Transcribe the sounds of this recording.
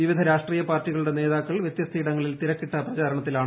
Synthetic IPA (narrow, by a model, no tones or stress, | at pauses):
iʋid̪ʱɐɾaːʂʈriːjɐpaːrtːiɣɐɭuɽe̞ne̞ːðaːkːɐɭʋjet̪jɐst̪ʰːiːɽɐŋːɐɭiltt̪iɾɐkːiʈːɐprɐt͡ɕaːɾɐɳɐt̪ːilaːɳ